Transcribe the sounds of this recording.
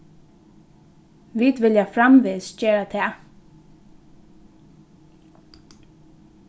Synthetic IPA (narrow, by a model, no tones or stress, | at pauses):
ʋiːd̪ʋɪljafɾamʋeːsd͡ʒeːɾat̪ʰɛː